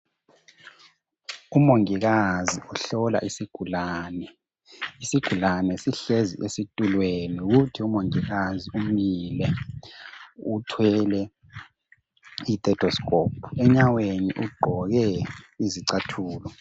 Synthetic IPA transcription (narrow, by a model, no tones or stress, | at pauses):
umoŋiɣaziuɬɔla̰ʔisiɡ̥ʱulaːnɛ | isiɡ̥ʱulanɛsiɬezḭesitʼulweniuɣutʰiumoŋiɣaziumilɛ | utʰwɛlɛ | itʼɛtʰɔskʼoːpʰu̥ɛɲawenḭʔuɡ͡ǃʱɔɣɛiziǀatʰuːlɔ